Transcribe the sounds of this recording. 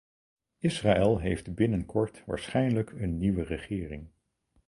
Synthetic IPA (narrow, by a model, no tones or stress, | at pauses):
ɪsraɛlˠɦejftbɪnənkʰɔɹtʋa̰ːɹsχɛjnləkʰənːiʋərəχɪːrɪ̰ŋ